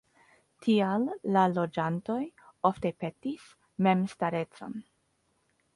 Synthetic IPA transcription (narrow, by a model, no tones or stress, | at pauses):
tʰialːalo̞d͡ʒanto̞jo̞fte̞pe̞tis | me̞mstaɾe̞t͡so̞̰n